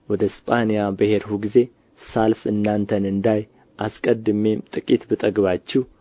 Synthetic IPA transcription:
wɔd̪əspʼanijabɨheɾhuɡize̞ | salfɨnːant̪ʰənɨnd̪aj | ʔaskʼəd̪ɨme̞mt̪ʼɨkʼit̪bɨt̪ʼəɡβat͡ʃːɛh

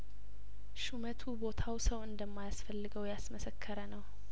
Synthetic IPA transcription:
ʃumət̪ʰubo̞t̪ʰawsəwɨnd̪əmːajasfəlːɨɡəwjasməsəkʰːəɾənəw

